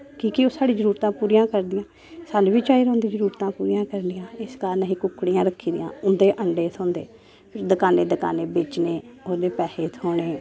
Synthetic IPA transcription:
kiːkɪoːsaːɽiːd͡ʒəɾuːɾt̪ãːpuːɾijãːkəɾd̪ɪjãː | saːnũːʋiːt͡ʃaːiːɾãːnd̪ĩːd͡ʒəɾuːɾt̪ãːpuːɾijãːkəɾnɪjãːɪskaːɾnəɦiːkʊkːɽijãːɾəkʰːiːd̪ɪ̰jã̰ːʊnd̪eːʔəɳɖeːt̪ʰõːnd̪ḛː | pʰɪɾd̪əkaːneːd̪əka̰ːneːbɪt͡ʃneːoːd̪eːpɛːheːt̪ʰoːɳeː

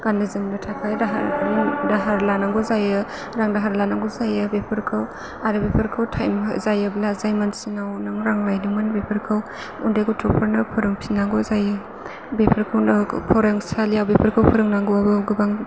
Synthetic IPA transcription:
ɡ̥anɯzɯmbɯtʰakʰajdaɦadaɦaɾlanaŋɡɔzajɯ | ɾaŋdaɦaɾlanaŋɡɔzajɯbepʰɐɾkʰaw | aɾɯbepʰɐɾkʰawtʰajmzajɯblazajmansinawnaŋɾaŋlajdiŋmanbepʰɐɾkʰaw | undaɡutʰupʰaɾnɯpʰɔɾɯŋpʰinaŋɡɔzajɯ | bepʰɐɾkʰawnɐpʰɔɾaŋsalijawbepʰɐɾkʰawpʰɯɾɯŋnaŋɡuabɯwɡɯbaŋ

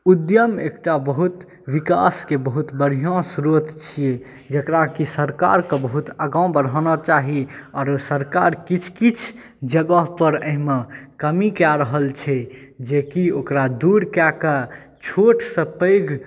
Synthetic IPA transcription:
ud̪jəmḛkʈabəɦut̪ | ʋika̰skebəɦut̪bəɾ̤ijɔ̃sɾot̪t͡ʃʰije | d͡ʒəkɾakisəɾka̰ɾkə̃bəɦut̪əɡaw̃bəɾɦɔnɔt͡ʃaɦiɔɾosəɾkaɾkit͡ʃʰkit͡ʃʰ | d͡ʒəɡəɦpəɾəɦimekəmikaɾəɦəlt͡ʃʰɛd͡ʒekiokɾad̪uɾkaka | t͡ʃʰoʈsə̃pəɪɡ

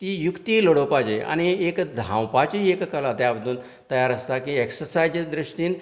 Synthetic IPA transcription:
t̪iːjukt̪iloɽopad͡ʑea̰ñiekd̪ʱã̰wpat͡ɕiekkəlat̪jabəd̪ʱuːn | t̪əjaɾəst̪akĩeksəɾsajd͡ʑd̪ɾiʂʈiːn

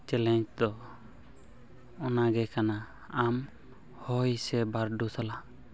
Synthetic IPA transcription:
t͡ʃɛlɛɲt͡ʃd̪ɔ | ɔnaɡɛkanaː | m | hɔjsɛbaɾɖusala

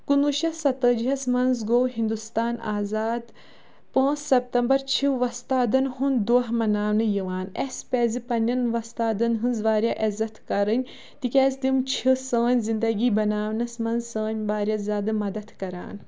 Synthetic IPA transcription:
kunuʃɐsɐt̪əːd͡ʒiɦɐsmɐnzɡoːwɦĩnd̪ust̪aːna̰ːzaːd̪ | pãːssɐp̚t̪ɐmbɐɾt͡ʃʰiʋɐst̪aːd̪ɐnɦund̪uɦmɐnaːwnɨjiʋaːnespeːzipɐnʲɐnʋɐst̪aːd̪ɐnɦɨnzʋaːɾʲjaʔɐzɐt̪kɐɾɨnʲ | t̪ikʲɛːzd̪imt͡ʃʰisəːnʲzind̪ɐɡiːbɐnaːʋnɐsmɐnzə̃ːnʲbaːɾʲjazʲaːd̪ɨmɐd̪ɐt̪kɐɾa̰ːn

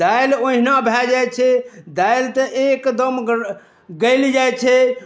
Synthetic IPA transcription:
d̪ajloɦinabʱɛd͡ʒajt͡ʃʰɛd̪ajlt̪əʔekd̪əm | ɡəɪld͡ʒajt͡ʃʰɛ

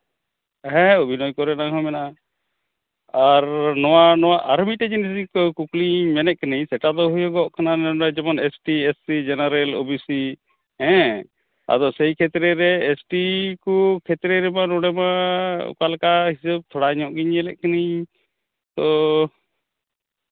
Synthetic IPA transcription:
ɦɛ̃ubʱinɔjkɔɾɛnaɦɔmɛna | aɾnɔwanɔwaʔaɾmiʈɛd͡ʒinis̬ikɔkukliɲmɛnɛʔ̚kɛniɲsɛʈad̪ɔɦujɔɡɔʔkʰananɛad͡ʒɛbɔnɛsʈiesːid͡ʒɛnaɾɛlo̰bisi | ɦɛ̃ | a̰d̪ɔsɛjkʰɛt̪ɾɛɾɛːsʈikukʰɛt̪ɾɛɾɛmanɔɽɛma̰kalkaɦisəb̚t̪ʰɔɽaɲɔʔɡiɲɛlɛʔ̚kaniɲ | t̪ɔ

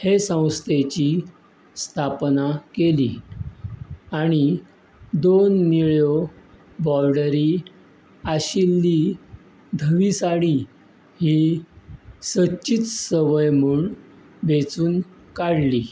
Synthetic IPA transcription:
hesə̃w̃st̪ʰet͡ɕi | st̪ʰapnakelḭ | aɽ̃i | d̪onːiɭjo | bɔɾɖəɾi | aɕilːi | d̪ʱəʋisaɽi | hi | sət͡ɕɕit͡ssəʋəjmuːɭ | ʋet͡suːn | kaɽli

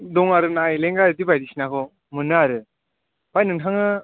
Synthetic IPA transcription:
dɔŋaɾɯnajleŋɡaɾɯdibajdisinakʰɔ | mɯnɯaɾɯ | b̥ajnɯŋntʰaŋɯ

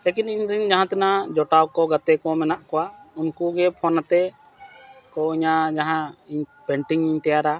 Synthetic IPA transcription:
lekiniɲɾiɲd͡ʒaɦãt̪ɛnad͡ʒɔʈawkɔɡat̪ɛkɔmɛnaʔkɔwaunkuɡɛpʰɔnat̪ɛ | kɔiɲad͡ʒaɦãiɲpɛɳʈiŋiɲt̪ɛjaɾa

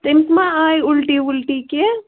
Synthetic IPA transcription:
t̪ɪmsmãaːjʊlʈiʊlʈike

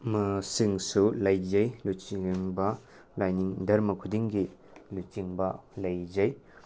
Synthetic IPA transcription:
mɐsiŋsulɐjzɐjlut͡ʃiŋbɐ | lajniŋdɐɾmɐkʰudiŋɡilut͡ʃiŋbɐlɐjzaj

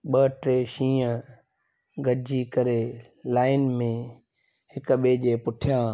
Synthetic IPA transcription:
ɓəʈɾeːʃĩːə̃ | ɡɐd͡ʑikɐɾe | laːɪnmẽ | hɪkɓeːʄeːpʊʈʰijãː

